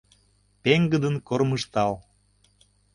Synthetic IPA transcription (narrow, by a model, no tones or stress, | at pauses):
peŋɡəd̪ənkorməʃt̪ɑl